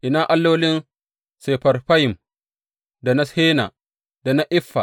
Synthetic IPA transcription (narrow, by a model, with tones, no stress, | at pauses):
ʔɪ˨naː˦ʔa˦lːoː˦lɪ˦n | se˨ɸɐ˨rɸa˦jɪ˨m | da˨na˦sheː˦na˨ | d̥a˨na˦ʔɪ˦ɸːa˨